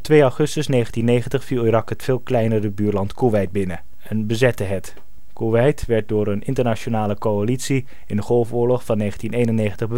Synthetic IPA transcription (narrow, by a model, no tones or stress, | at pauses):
tʋejɑwχɵstəsnejχəntinːejχəntəχfilˠirɑkətfeːlˠklɛjnərəbyːɹlɑntkuʋɛjd̚bɪnə | ɛnbəzɛtəɦət | kuʋɛjtʋɛɹt̚dʊːɹənɪntəɹnat͡ʃonaːləkoalitsi | ɪndəχɔlˠfʊːɹlɔχfɑnːejχən̩tinejnənejχəntəχbə